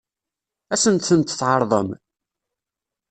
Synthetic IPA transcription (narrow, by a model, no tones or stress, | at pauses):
æsənt̪θənt̪θʕɑɾˤðˤə̰m